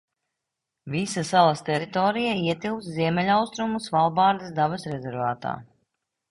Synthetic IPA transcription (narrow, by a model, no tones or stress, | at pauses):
visɐsalˠɐst̪ɛɾit̪ɔːɾijaiɛt̪ilˠksziɛmʲɛlʲawst̪ɾumusvalˠbaːɾd̪isd̪abɐsɾɛzɛɾvaːt̪a̰ː